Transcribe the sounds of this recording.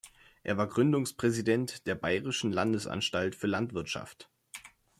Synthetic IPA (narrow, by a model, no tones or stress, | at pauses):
ʔeːɐvaːɐɡʁʏndʊŋspʁ̥ɛzidɛntd̥eːɐbaɪʁɪʃn̩landəsʔa̰nʃtaltfyːɐlantv̥ɪɐtʃa̰ft